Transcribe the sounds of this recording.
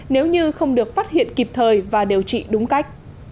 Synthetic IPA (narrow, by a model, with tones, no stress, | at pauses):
ne˨˦wɲɨ˧xə˧wŋ͡mɗɨ˨˩ək̚faː˦˥t̚hḭ˧˨ənki˨˩p̚t̪ʰəː˨˩jvaː˨˩ɗe˨˩wt͡ɕḭ˧˨ɗʊ˨˦ŋ͡mka˦˥jk̟̚